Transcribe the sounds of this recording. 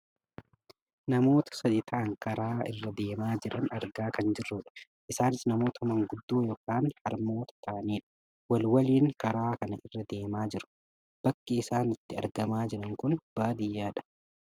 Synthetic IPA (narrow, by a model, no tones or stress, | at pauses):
nɐmo̞ːt̪ɐ̥sɐd̪ɪt̪ʰɐʔɐŋkɐɾaːɪ̰rːɐd̪e̞ːmaːd͡ʒɪɾɐnɐɾɡaːkɐnd͡ʒɪrːʊːᶑɐ̥ | ʔɪsaːnɪsnɐmo̞ːt̪ɐmɐŋɡʊd̪ːuːjoːkaːnhɐɾmo̞ːt̪ɐ̥t̪ʰɐʔɐniːᶑɐ̥ | wɐlwɐliːŋkɐɾaːkɐnɐʔɪrːɐd̪eːmaːd͡ʒɪɾʊ̥ | b̥ɐkːiɪsaːnɪt̪ːɪɐ̰ɾɡɐmaːd͡ʒɪɾɐŋkʊnb̥aːd̪ɪjːaːᶑɐ̥